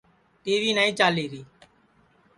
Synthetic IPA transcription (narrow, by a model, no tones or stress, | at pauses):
ʈeːʋiːnaːĩːt͡ʃaːleːɾiː